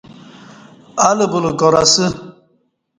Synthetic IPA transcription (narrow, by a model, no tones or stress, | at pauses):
aləbuləɡɔɾasɨ